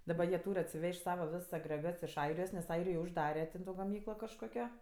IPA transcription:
dɐˈbɐ jiɛ ˈtuːrʲ ɐtʲsʲɪˈʋʲɛʃʲtʲ ˈsɑːʋɐ ˈʋʲɪs ɐɡrʲɛˈɡɐts ɪʃ ˈɐɪrʲɪjoːs nʲɛs ˈɐɪrʲɪjoːj ʊʒˈdɑːrʲɛ tʲɛn ˈtoː ɡɐˈmʲiːklˠoː kɐʃˈkoːkʲoː

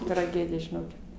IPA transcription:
trɐˈɡʲæːdʲɪjɛ ʒʲɪˈnoːkʲɪt

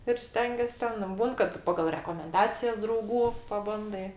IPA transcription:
ɪr ˈsʲtʲɛŋʲɡʲeːsʲ ˈtʲɛn ˈbuːn kɐt ˈpɑːɡɐlˠ rʲɛkoːmʲɛnˈdɑːt͡sʲɪjɛs drɐʊˈɡuː pɐˈbɐndɐɪ

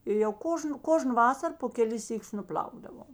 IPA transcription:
ɪ jɛʊ ˈkoːʒnʊ ˈkoːʒnʊ ˈʋɑːsɐr poː kʲɛˈlʲɪs ˈsʲiːˌkʲʊs nʊˈpʲlʲɐʊɡdɐʋoːm

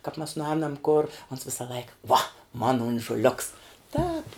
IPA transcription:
kɐp mʲɛs nʊˈɛːnɐm koːr oːns ˈʋʲɪsɐ ˈlˠɐɪkɐ ʋoː moːnɐ oːnʒʊˈlʲʊks ˈtɑːp

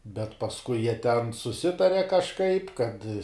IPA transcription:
bʲɛt pɐsˈkʊɪ jiɛ tʲɛn sʊˈsʲɪtɐrʲɛ kɐʃˈkɐɪp kɐt

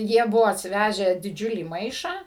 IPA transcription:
ˈjiɛ ˈbʊʋoː ɐtʲsʲɪˈʋʲæːʒʲæː dʲɪˈd͡ʒʲʊlʲiː ˈmɐɪʃɑː

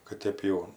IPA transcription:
kɐt ˈtʲeːp jɛʊ

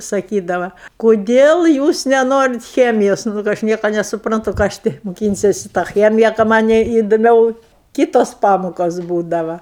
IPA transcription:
sɐˈkʲiːdɐʋɐ koːˈdʲeːlˠ ˈjuːs nʲɛˈnoːrʲɪt ˈxʲæːmʲɪjoːs nʊ kɐ ˈɐʃ ˈnʲiɛkoː nʲɛsʊprɐnˈtʊ ˈkɑː ɐʃ tʲɪ mʊˈkʲiːnʲsʲɛsʲɪ tɑː ˈxʲæːmʲɪjɛ kɐ ˈmɑːnʲɛɪ ɪdʊˈmʲɛʊ ˈkʲiːtoːs ˈpɑːmoːkoːs ˈbuːdɐʋɐ

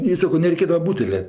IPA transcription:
ɪ ˈsɑːkoː nʲɛrʲɛɪˈkʲeːdɐʋɐ ˈbuːtʲɛlʲɛ

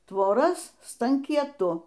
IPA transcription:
tʋoːˈrɐs stɐŋʲkʲiɛˈtʊ

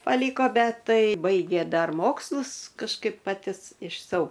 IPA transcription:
pɐˈlʲiːkoː ˈbʲɛt ˈtɐɪ ˈbɐɪɡʲeː ˈdɐr ˈmoːkslˠʊs kɐʃˈkɐɪp pɐˈtʲɪ ɪʃ sɐʊ

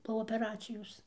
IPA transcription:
poː oːpʲɛˈrɑːt͡sʲɪjoːs

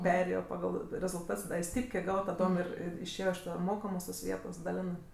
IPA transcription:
ˈpʲæːrʲeːjoː pɐˈɡɐlˠ rʲɛzʊlˠˈtɐts ˈdɐ ɪ ˈsʲtʲiːpʲkʲeː ˈɡɑːʋoː tɐˈdoːm ˈɪr ɪr ɪʃʲˈeːjoː ɪʃ ˈtɐ ˈmoːkɐmoːs toːs ˈʋʲiɛtoːs dɐˈlʲæːnɜ

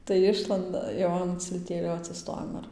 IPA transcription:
tɐɪ ˈɪʃlˠɐndɐ jɛʊ ˌɐn t͡sʲɪlʲˈtʲeːlʲoː ɐtʲsʲɪˈstoːjɛm ɪr

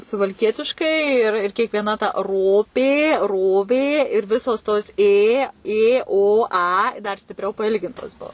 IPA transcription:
sʊʋɐlʲˈkʲiɛtʲɪʃkɐɪ ɪr ɪr kʲiɛkʋʲiɛˈnɐ tɐ ˈroːpʲeː ˈroːʋʲeː ɪr ˈʋʲɪsoːs toːs ˈeː ˈeː ˈoː ˈɐ dɐr sʲtʲɪpʲˈrʲɛʊ pɐˈɪlʲɡʲɪntoːs ˈbuɔ

